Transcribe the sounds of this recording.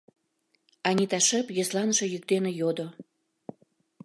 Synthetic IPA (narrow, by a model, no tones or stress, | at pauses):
ɑnʲit̪ɑʃə̆pjeslɑnəʃĕjyk̚d̪enejod̪o